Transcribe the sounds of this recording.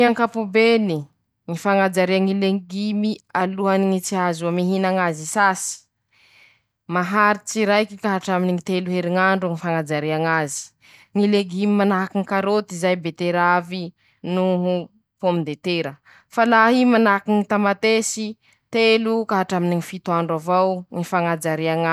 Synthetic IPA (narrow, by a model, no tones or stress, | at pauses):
iaŋkapubeni | ŋifaŋad͡ʒaɾiaŋileɡimialuɦaniŋit͡siazuamiɦinaŋazisasi̥ | maɦaɾit͡siɾajkikaɦaʈ͡ʂaminiŋit̪eluɦeɾiŋaɳɖ͡ʐuŋifaŋad͡ʒaɾiaŋazi̥ | ŋileɡimimanaɦakiŋikaɾot̪izajbet̪eɾavi | nuɦu | pomid̪et̪eɾə | falaɦimanakiŋit̪amat̪esi | t̪elukaɦaʈ͡ʂaminiŋifit̪uaɳɖ͡ʐavawŋifaŋad͡ʒaɾiaŋa